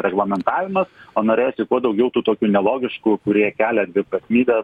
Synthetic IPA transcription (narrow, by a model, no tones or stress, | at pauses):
ɾʲɛɡlˠɐmʲɛnt̪ɑːʋʲɪmɐsoːnoːɾʲeːjoːsʲɪkuɔd̪ɐʊɡʲɛʊt̪uːt̪oːkʲuːnʲɛlˠoːɡʲɪʃkuːkʊɾʲiɛkʲæːlʲɛd̪ʲʋʲɪpɾɐsʲmʲiːbʲɛ